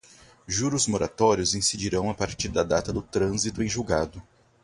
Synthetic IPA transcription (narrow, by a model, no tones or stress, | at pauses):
ʒuɾʊzmoɾat̪ɔɾjʊzĩsid͡ʒiɾɐ̃w̃ɐpaɾt͡ʃiɾd̪ɐd̪at̪ɐd̪ʊt̪ɾɐ̃zit̪ʊẽj̃ʒuwɡad̪ʊ